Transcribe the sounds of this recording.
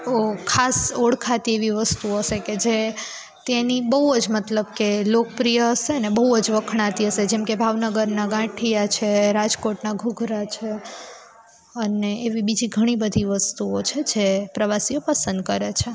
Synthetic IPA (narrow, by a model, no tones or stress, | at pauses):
okʰasoɽkʰat̪ieʋiʋəst̪uoəʃeked͡ʒe | t̪enibəɦud͡ʒmət̪ləbkelokəpɾijəəseənebəɦuəd͡ʒʋəkʰɽãt̪iɦəsed͡ʒɛmkebʱaʋnəɡəɾnaɡãʈʰijat͡ʃʰeɾad͡ʒkoʈnaɡʱuɡʱɾat͡ʃʰe | əneʔeʋibid͡ʒiɡʱəɽ̃ibəd̪ʱiʋəst̪uot͡ʃʰed͡ʒepɾəʋasiopəsənd̪kəɾet͡ʃʰe